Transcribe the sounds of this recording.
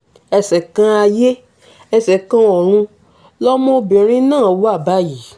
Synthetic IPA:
ɛ˧sɛ˨kã˧˦a˧je˦ | ɛ˧sɛ˨kã˧ɔ˨ɾ̃ũ˧ | lɔ˦mɔ̃˦˧bĩ˨ɾ̃ĩ˦nãː˦˨wo˦a˦˨ba˦ji˨

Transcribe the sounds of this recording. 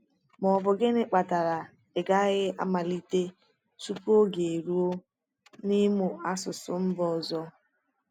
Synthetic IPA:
mɔ˨bʊ˨ɡɪ˦nɪ˦k͡pa˨ta˨ɾa˨ | e˨ɡa˦ɣɪ˦ʔa̰˦ma˨li˦te˦ | su˦pu˦o˦ɡe˨ɾu˦o˦ | ni˦mʊ˨a˦sʊ˨sʊ˨m̩˦bɔ˨zɔ˦

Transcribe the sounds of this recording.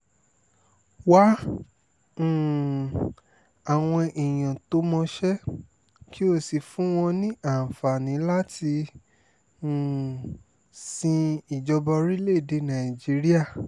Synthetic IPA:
wa˦˨ | a˨w̃ɔ̃˧ʔi˨j̃ã˨to˨˦mɔ̃˧ʃɛ˦ | ki˦o˧si˨fũ˨˦w̃ɔ̃˧nĩ˦ʔa˦˨fa˨nĩ˨˦la˦ti˧˨ | sĩ˧i˨d͡ʒɔ˧bɔ˧ɾi˦le˦˨de˨˧nã˨i˨d͡ʒi˨˦ɾi˦a˦˨

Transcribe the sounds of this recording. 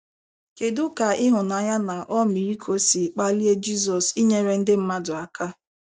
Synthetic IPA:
ke˨dʊ˦ka˨ɪ˦ɦʊ˨na˨ja˦na˨ʔɔ˦mi˨ɾi˦kʰo˦si˨k͡pa˦li˦e˦d͡ʒi˦zɔ˨si˦ɲe˦ɾe˦n̩˦dɪ˦m̩˦ma˦dʊ˨a˨ka˦

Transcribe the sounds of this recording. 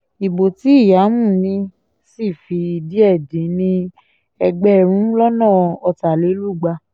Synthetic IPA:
i˨bo˨ti˨˦i˦˨ja˨˦mũ˦˨nĩ˧ | si˦˨fi˧i˧di˨˦ɛ˦˨dĩ˨˦nĩ˧ | ɛ˧ɡ͡bɛ˦˨ɾ̃ũ˨˦lɔ˦nãː˦˨˧ɔ˧ta˨le˨˦lu˦˨ɡ͡ba˧

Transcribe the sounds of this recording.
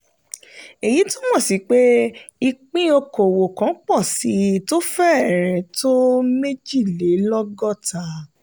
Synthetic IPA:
e˨ji˨˦to˦mɔ̃˦˨si˨˦k͡pe˦i˧k͡pĩ˦o˧ko˨wo˨kã˨˦k͡pɔ˦˨si˨˦to˦fɛ˦˨ɾɛ˨˦to˦me˦d͡ʒi˦˨le˨˦lɔ˦ɡɔ˦˨ta˨˦

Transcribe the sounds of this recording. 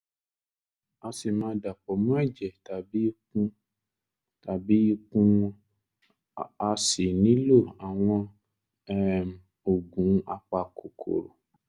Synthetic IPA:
a˧si˨mãː˨˦da˨k͡pɔ˨mũ˦ɛ˦˨d͡ʒɛ˨ta˨bi˦kũ˧ | ta˨bi˨˦i˦kũ˧ | a˧si˨nĩ˨˦lo˦˨a˨w̃ɔ̃˧ | ɛ˦˨ | o˨ɡũ˨˦a˧k͡pa˧kʰo˨kʰo̰˨ɾo̰˨

